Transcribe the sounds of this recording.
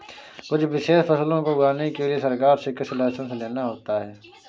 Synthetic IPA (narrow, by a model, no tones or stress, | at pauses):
kʊt͡ʃʰbɪʃeːʃpɐslõkoɡɾaːnekeliesɐɾkaːɾsɪkːəʃɪlaːɦt͡ʃ̪õseleːnaɦoːt̪aɦɛː